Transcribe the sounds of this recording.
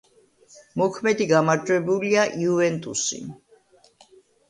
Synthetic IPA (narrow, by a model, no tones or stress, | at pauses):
mɔkʰmɛd̪iɡamaɾd͡ʒʼwɛbuliaʔiuvɛnt̪ʼusḭ